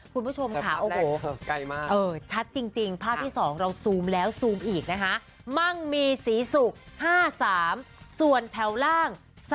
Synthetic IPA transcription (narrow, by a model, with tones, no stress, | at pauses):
kʰu˧nbu˥˩t͡ɕʰo˧mkʰa˦˥˩ʔʔoː˧ɦoː˧˩˧ka˧˩jmː˥˩ʔɤː˧t͡ɕʰa˦˥t̪̚t͡ɕi˧ŋt͡ɕi˧ŋpʰaː˥˩p̚t̪ʰiː˥˩sɔː˩˦ŋɾa˧wsuː˧mlɛː˦˥wsuː˧mʔiː˨˩k̚na˦˥kʰa˦˥ʔ | ma˥˩ŋmiː˧siː˩˦su˨˩k̚haː˥˩saː˩˦m | su˨˩ənt̪ʰɛ˨˩˦wlaː˥˩ŋ | s